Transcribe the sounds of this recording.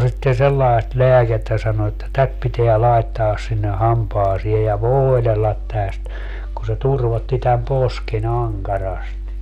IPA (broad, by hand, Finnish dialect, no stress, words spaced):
sitːe selːɑest leæketːæ sɑno etːæ tæt piteæ lɑetːɑːs sinːe hɑmpɑːsie jɑ ʋoːelelːɑt tæst ku se turʋotːi tæm posken ɑŋkɑrɑsti